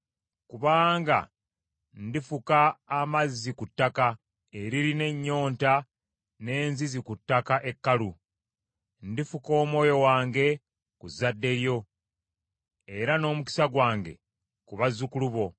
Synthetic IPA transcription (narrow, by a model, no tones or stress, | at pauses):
kuβaːŋɡa̰ | ndifukaːmazːikutːaka | e̞ɾiɾine̞ɲːo̞ːnta | ne̞ːnzizikutːakaʔe̞kːalu | ndifuko̞ːmwo̞ːjo̞waːŋɡe̞ | kuzːadːe̞ɾjo̞ | e̞ɾano̞ːmuki̥saɡwaːŋɡe̞̰ | kuβazːukuluβo̞